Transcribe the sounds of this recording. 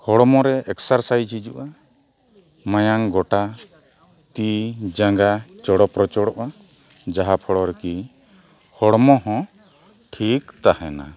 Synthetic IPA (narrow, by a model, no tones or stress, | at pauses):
hɔɽmɔɾɛʔɛksaɾsajd͡ʒid͡ʒuʔa | majaŋɡɔʈa | t̪id͡ʒaŋɡat͡ʃɔɽɔpɾɔt͡ʃɔɽɔʔa | d͡ʒaɦapʰɔɽɔɾɛki | hɔɽmɔɦɔ̃ | ʈʰikt̪ahɛna̰